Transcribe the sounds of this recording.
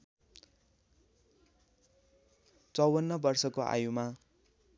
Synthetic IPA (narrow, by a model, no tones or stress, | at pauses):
t͡sʌwʌnːʌbʌrsʌkoʔa̰juma